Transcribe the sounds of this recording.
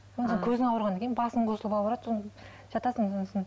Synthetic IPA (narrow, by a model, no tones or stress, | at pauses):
sonseŋkʲʰɵzɪŋɑwəɾʁɑnɑkʲejnbɑsəɴqʰosəlˠəpɑlˠbɑɾɑd̪son | ʒ̥ɑt̪ɑsəŋonsn